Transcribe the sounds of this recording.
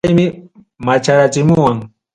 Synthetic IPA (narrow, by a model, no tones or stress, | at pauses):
jmɪ | mat͡ʃaɾat͡ʃɪmʊwaŋ